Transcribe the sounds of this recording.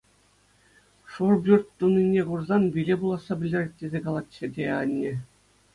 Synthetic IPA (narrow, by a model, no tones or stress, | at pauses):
ʂurbʲyrt̪t̪unʲːinʲːeɡurzɑnbʲilʲebulˠɑsːɑbʲɘ̆lʲdʲĕrʲet̚ʲtʲːezʲekɑlˠɑt̪t͡ɕːĕdʲeɑ̰nʲːĕ